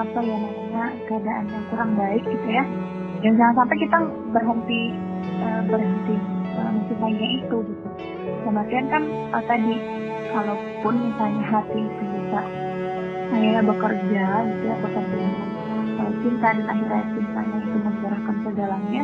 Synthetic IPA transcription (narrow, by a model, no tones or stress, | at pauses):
apajanamaɲakəadaʔanjaŋkuɾaŋbaɪk̚ɡ̥it̪uja | jaŋd͡ʒaŋansampɛkit̪a | bərɦənt̪i | əːbərɦənt̪iəməsipaiɲɲaʔit̪uɡit̪u | kəmat̪iankan | ət̪adi | kalow | pʊnmisalɲaɦat̪iːpibisa | ahiɾabəkərd͡ʒaɡit̪ujabəkərd͡ʒana | kalot͡ʃint̪adanaɦiɾajat͡ʃint̪a̰ɲait̪uməɲd͡ʒəɾahkansədalaɲa